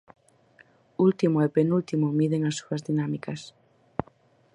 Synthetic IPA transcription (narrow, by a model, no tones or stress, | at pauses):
ult̪imoepenult̪imomiðeŋɐsːuɐzðinamikɐs